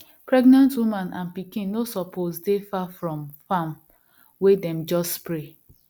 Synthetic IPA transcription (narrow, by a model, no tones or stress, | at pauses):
pɹɛɡnãntwumãnã̰npikĩnːosɔpʰozdefafɹɔ̃mfam | wedɛ̃md͡ʒɔstpɾe